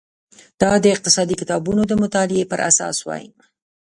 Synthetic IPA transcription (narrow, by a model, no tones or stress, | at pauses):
d̪̥ɑd̪əɪq̚t̪ɪsɑd̪ikɪt̪ɑbunod̪əmʊt̪ɑlɪepəɾʔa̰sɑ̰swɑ̰jḭma